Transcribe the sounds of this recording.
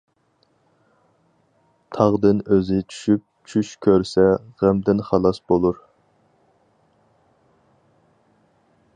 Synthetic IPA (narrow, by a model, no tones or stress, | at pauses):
t̪ʰɑʁd̪ɨnøzɪt͡ʃʰy̥ʃyp̚t͡ʃʰyʃkʲʰøɾsɛʁæmd̪ɪnχɑlˠɑsbolˠuɾ